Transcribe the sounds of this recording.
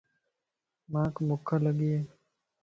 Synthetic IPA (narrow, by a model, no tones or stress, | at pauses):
mãːkmʊkʰːaləɡieː